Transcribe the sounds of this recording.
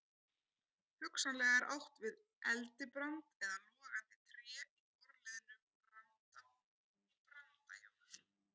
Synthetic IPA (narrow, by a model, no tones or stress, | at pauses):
hʏksanlɛːɣaɾʔawht̪vɪð | ʔɛlt̪ɪpɾant̪ɛðalɔːɣant̪ɪ̥t̪ɾɛːikɔɾlɛðɪnʏɔɣrant̪aw | pɾant̪a̰ja̰w